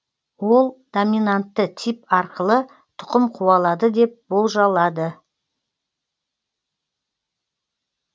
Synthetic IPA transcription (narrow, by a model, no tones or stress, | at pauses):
wolˠd̪̥ominant̪ːət̪ʰipɑɾqəlˠə | t̪ʰʊ̥qəmqʰuɑlˠɑd̪əd̪e̞p̚bo̞lˠʒɑlˠɑd̪ə